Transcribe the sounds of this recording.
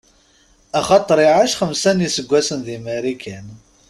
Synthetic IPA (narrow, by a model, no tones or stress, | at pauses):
æχɑt̪ˤɾˤɪʕaʃχəmsænisəɡʷːæsənðimæɾikʰæn